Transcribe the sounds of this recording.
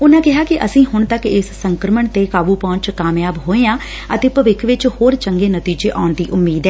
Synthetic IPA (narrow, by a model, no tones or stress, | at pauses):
ʊnãːkɪɦaːkɪʔəsĩːɦʊɳt̪əkɪsːəŋkɾəməɳt̪eːkaːbuːpɔ̃ːɲt͡ʃkaːmjaːbɦoːeːãː | ət̪eːpəʋɪkʰʋɪt͡ʃhoːɾt͡ʃəŋɡeːnət̪iːd͡ʒeːʔa̰ːɳd̪iːʔʊmːiːd̪ɛː